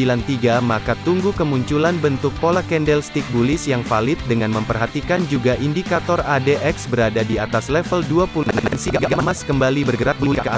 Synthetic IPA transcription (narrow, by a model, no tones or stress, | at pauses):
ilant̪iɡamakat̪uŋɡukəmuɲt͡ʃulanbənt̪ʊk̚polakɛndɛlst̪ik̚bulɪsjaŋfalɪt̪̚dəŋanməmpərɦat̪ikand͡ʒuɡaʔindikat̪ɔradeʔɛksbəɾadadiat̪aslɛfəlduapulnansiɡaʔaʔɡməmaskəmbalibərɡəɾat̪̚bkk